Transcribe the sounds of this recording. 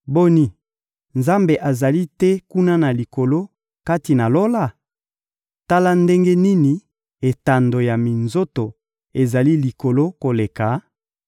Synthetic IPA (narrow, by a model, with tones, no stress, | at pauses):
bo˦ni˦ | nza˦mbe˨ʔa˨za˨li˦tɛ˦ku˦na˦na˨li˨ko˨lo˦ | ka˦ti˨na˨lo˦la˦˨ | ta˦la˦nde˦ŋɡe˦ni˦ni˨ | e˨ta˨ndo˨ja˨mi˨nzo˦to˨ | e˨za˨li˦li˨ko˨lo˦ko˨le˨ka˨